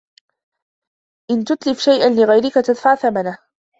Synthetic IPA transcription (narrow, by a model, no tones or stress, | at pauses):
ʔɪnt̪ʊt̪lɪfʃajʔanlɪɣajɾɪkat̪ad̪faʕθamanah